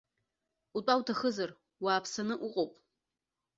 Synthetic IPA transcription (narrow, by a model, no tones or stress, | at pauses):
utʼawtʰaχəzar | waːpʰsanɨʔuqʼowpʼ